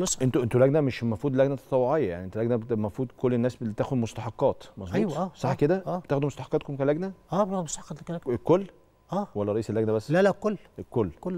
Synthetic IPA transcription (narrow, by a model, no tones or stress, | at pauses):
mesʔent̪oʔent̪ulæɡnæmeʃmɑfɾuːd̪læɡnæt̪ɑt̪ˤɑwːoʕejːæjaʕniʔent̪olæɡnæmɑfɾuːd̪kolːenːæːst̪æːxod̪most̪ɑħɑqːɑːt̪mɑzˤbæuːwtʔæːsˤɑħːked̪ææːet̪æːxod̪umost̪ɑħɑ̥qːɑt̪komkælæɡnæʔæːbɑbesɑqɑt̪kælæekːolː | ʔæːwælːæɾˤɑʔiːselːæɡnæbæsːlælækolːekolːko